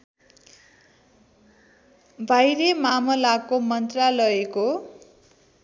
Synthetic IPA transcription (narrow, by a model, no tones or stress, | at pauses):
bʱajɾemamʌlakomʌnt̪ralʌeko